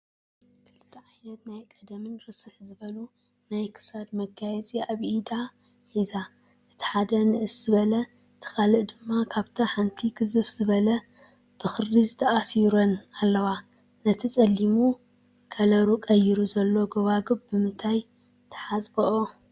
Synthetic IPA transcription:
kʰɨlt̪ʰːɐʕajnɐt̪najkʼɐd̪ɐmɨnɾɨsɨħzɨβɐlu | najkʰɨ̥sad̪mɐɡajɛt͡sʼiaβʔd̪a | ħiza | ʔɨt̪ʰi̥ħad̪ɐnɨʔɨsz̥ɨβɐlɐ | t̪ʰɨ̥kalɨʔd̪ɨmːakʰaβt̪ʰɐħant̪ʰiɡɨzɨfz̥ɨβɐlɐ | b̥ɨxɨrːizɨt̪ʰɐʔasiɾonalːɐwa | nɐt̪ʰit͡sʼɐlːimu | kʰɐlɐɾukʼɐjːiɾuzɐlːo̞ɡɐβaɡɨbbɨmɨnt̪ʰaj | t̪ʰɐ̥ħasʼbɐʔo

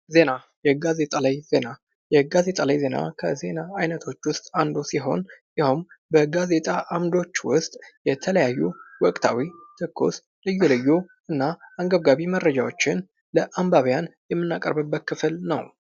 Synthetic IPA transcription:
ze̞na | jɛɡaze̞t̪ʼalajze̞na | jɛɡaze̞t̪ʼalajze̞na̰kʰə̰ze̞naːjnət̪ʰo̞t͡ʃːwʊst̪ʼand̪osiɦo̞̰njɪhumbəɡaze̞t̪ʼaʔamd̪o̞t͡ʃːwʊst̪ʼjɛt̪ʰələjajːuwɔkʼt̪ʰa̰wit̪ʰɨkʰːṵs | lɨjːulɨjːu | ʔɨnːaaŋɡəβɡaβimərːəd͡ʒawo̞t͡ʃːɪn | ləʔambaβjanjɛmːɨnːakʼə̰ɾbɨbːət̪̚kʰɨfɨlnə̰w

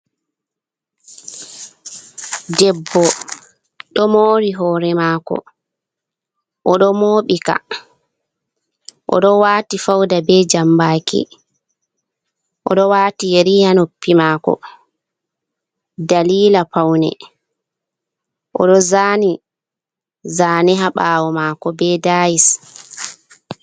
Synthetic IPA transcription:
dɛbːɔ | ɗɔmoːɾiɦɔːɾɛmaːkɔ̰ | ʔɔɗɔmoːɓika̰ | ʔɔ̰ɗɔwaːtifawdabɛd͡ʒambaːkḭ | ʔɔɗɔwaːtijeɾihanopːimaːkɔ̰ | daliːlapawnɛ̰ | ʔɔ̰ɗɔzaːni | zaːniɦaɓaːwɔmaːkɔbɛdaːjis

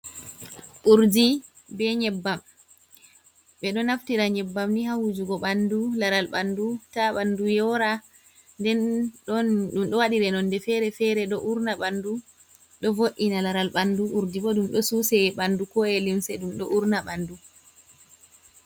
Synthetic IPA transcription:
ʔuɾdi | bɛɲɛbːam | ɓɛɗɔnaftiɾaɲɛbːamniɦawud͡ʒuɡɔɓandulaɾalɓandutaɓandujɔɾa | ndɛnɗɔnɗumɗɔwaɗiɾɛnɔndɛfɛɾɛfɛɾɛɗɔʔuɾnaɓandu | ɗɔvoʔːinalaɾalɓanduʔuɾdiɓɔɗumɗɔsusɛɓandukɔɛlimsɛɗumɗɔʔuɾnaɓandu

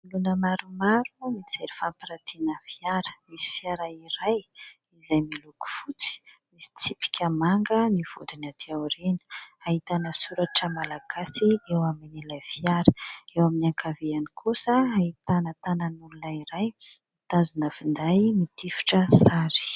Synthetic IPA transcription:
lunəmaɾumaɾumit͡seɾifampiɾat̪ʰinəfiaɾə̥misi̥fjaɾaiɾaj | izajmiluku̥fut͡si̥misi̥t͡sipi̥kʰʲəmaŋɡəniv̥ud̪inat̪iawɾenə̥aɦit̪anəsuɾaʈ͡ʂəmalaɡ̥asiewaminilajfiaɾəewaminaŋkʰaveanikʰosəait̪anət̪anənulunaiɾajmit̪azunəfind̪ajmit̪ifi̥ʈ͡ʂəsaɾi̥

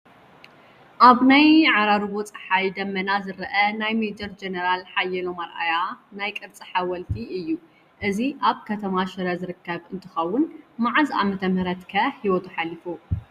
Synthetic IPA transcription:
ʔaβnajʕaɾaɾβot͡sʼɐ̥ħajd̪ɐmːɐnazɨɾɐʔɐnajmed͡ʒɐɾd͡ʒenɐɾalħajɛlomɐɾʔa̰janajkʼɨɾt͡sʼɨħawɐlt̪ʰiɨjːu | ʔɨziʔaβkʰɐt̪ʰɐmaʃɨɾɐzɨɾɨkːɐβɨnt̪ʰɨ̥xɐwːʊnmaʕazʔa̰mɐt̪ʰɐmhɨɾɐt̪kʰɐħiwɔt̪ʰuħalːifu

